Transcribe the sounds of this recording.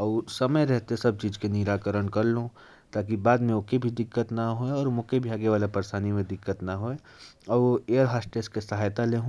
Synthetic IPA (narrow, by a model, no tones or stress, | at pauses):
ɔːsɐməjɾɛɦt̪esɐb̚t͡ʃiːzkeniɾaːkəɾənkɐɾlõ | t̪aːk̬ibaːd̪mẽõkebʱid̪ɪkːət̪naɦoeɔːɾmõkebʱiaːɡeʋaːlapɐɾsaːnimẽd̪ɪkːət̪naɦoe | ɔːeːəɾɦaːsʈeːskesɐɦaːjt̪aleːɦũ